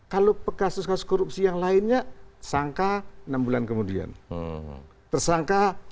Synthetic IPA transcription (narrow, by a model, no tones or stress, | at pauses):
kalopəkasʊskasʊskoɾup̚sijaŋlaɪnɲasaŋkanambulankəmudia̰n | t̪ərsaŋka